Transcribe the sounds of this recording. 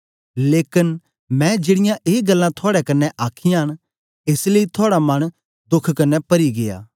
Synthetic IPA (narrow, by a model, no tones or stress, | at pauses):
leːkɪn | mɛ̃d͡ʒeːɽɪjãʔeːɡɐlːãt̪ʰoaːɽɛkɐnːɛʔaːkʰɪjãɦɐɽ̃ | eːsleːit̪ʰʊaːɽamɐɽ̃ | d̪ʊkʰːkɐnːɛpɐɾiɡeja̰ː